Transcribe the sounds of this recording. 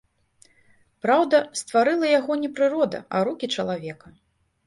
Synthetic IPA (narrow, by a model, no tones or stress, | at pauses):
pɾawd̪ɐst̪vaɾɨlˠɐjaɣɔnʲɛpɾɨɾɔd̪ɐ̰ʔɐɾukʲit͡ʂɐlˠavʲɛkɐ